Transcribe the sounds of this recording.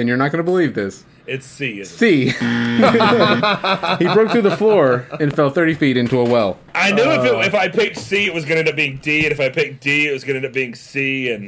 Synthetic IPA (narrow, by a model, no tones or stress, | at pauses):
ɨ̃njə˞nət̚ɡ̥ʌnəbəlivðɪs | ɪtsisi | hibɹoʊk̚θɹʉðəflɔɹɨ̃nfɛlˠθɜ˞ɾifiɾɪ̃ntuəwɛlˠ | ʔaɪnjʉɪfɪtɪfaɪpʰɪk̚siɨt̚wʌzɡʌ̃nɨnʌb̥iɪ̃ŋd̥iɨ̃nɨfaɪpʰɪk̚d̥iɨt̚wʌzɡʌnɨnʌp̚biɪ̃ŋsiɨ̃n